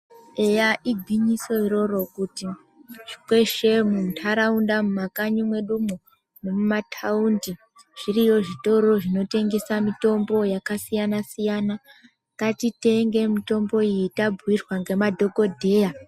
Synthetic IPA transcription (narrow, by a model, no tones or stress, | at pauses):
e̞jaʔiɡʱwiɲiso̞iɾo̞ɾo̞kuti | ʐ̥ikwe̞ʃe̞muntʰaɾaundamumakaɲumwe̞ɗumu | ne̞mumatʰaundi | ʐ̥irijo̞ʐito̞ɾo̞ʐino̞te̞ŋɡesamito̞mbo̞jakasijanasijana | katite̞ŋɡe̞mito̞mbo̞iitabwirwaŋɡe̞madʱo̞ko̞dʱe̞ːja